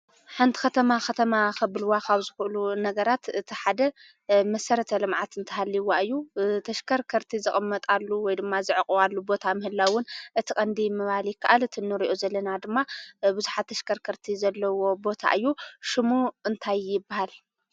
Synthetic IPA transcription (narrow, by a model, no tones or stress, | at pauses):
ħɨnt̪ʰi̥kɐt̪ʰɐmaxɐt̪ʰɐmaxɐbɨlɨwakʰaβzɨxuʔlunɐɡɐɾat̪ɨt̪ʰiħad̪ɐ | mɐsɐɾɐt̪ʰɐlɨmʕat̪ɨnt̪ʰɐhalːiwaɨjːut̪ʰɐʃkʰɐɾkʰɐɾt̪ʰizɨχʼɨmːɐt̪ʼalːuwɔjd̪ɨmːazɨʕɨkʼualːubo̞t̪ʰamɨhɨlːawʊnʔɨt̪ʰikʼɐnd̪imɨβaljɪkʰːaʔalɨt̪ʰinːɨɾiʔozɐlːɐnad̪ɨmːabɨzuħat̪ːʰɐʃkʰɐɾkʰɐɾt̪ʰizɐlːɐwo̞bo̞t̪ʰa̰ʔɨjːuʃɨmuɨnt̪ʰajːɪbːahal